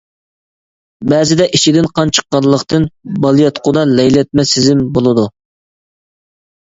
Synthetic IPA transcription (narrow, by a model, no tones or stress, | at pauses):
bɛːzɪd̪ɛʔit͡ʃʰid̪ɪnqʰɑnt͡ʃʰə̥qːɑnlˠəqt̪ɨnbɑlˠijɑt̪qʰʊd̪ɑlɛjlɛt̪̚mɛsɪzɪmbolˠɨd̪u